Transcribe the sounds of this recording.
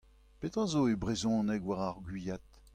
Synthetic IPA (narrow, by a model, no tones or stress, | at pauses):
pet̪ɑ̃zoebʁezɔ̃ːnɛkwaʁaʁɡɥijat̪̚